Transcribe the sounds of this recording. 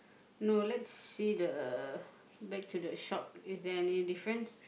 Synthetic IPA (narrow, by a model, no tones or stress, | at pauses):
nolɛtsːidə | bɛk̚tʰudəʃɔp̚isdɛɛnjudifɹə̃ns